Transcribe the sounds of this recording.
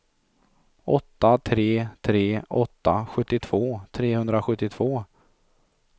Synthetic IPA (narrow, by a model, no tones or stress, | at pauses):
ʔɔt̪ːat̪ʰɾeːt̪ʰɾeːɔt̪ːaɧɵt̪ːɪt̪ʰv̥oːt̪ʰɾeːhɵnd̪ɾaɧɵt̪ːɪt̪ʰv̥oː